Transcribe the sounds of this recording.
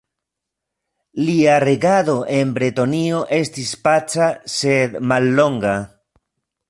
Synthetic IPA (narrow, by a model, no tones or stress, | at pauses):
liaɾe̞ɡaðo̞ʔe̞nbɾetonio̞ʔe̞stispat͡sase̞d̪malːo̞ŋɡa